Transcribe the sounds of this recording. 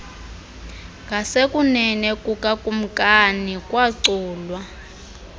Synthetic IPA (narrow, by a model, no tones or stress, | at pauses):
ŋʱasekʼunɛnɛkʼukʼakʼum̩kʼanikʼwaǀuːlwa